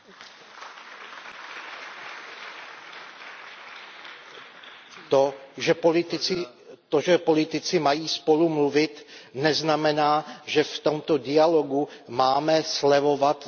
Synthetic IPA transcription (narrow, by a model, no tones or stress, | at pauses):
t̪oɛ | t̪oʒɛpolɪt̪ɪt͡sɪmajiːspo̞lumluvɪt̪nɛznamɛnaːʒɛft̪o̞mt̪o̞dɪalo̞ɡumaːmɛslɛvo̞vat̪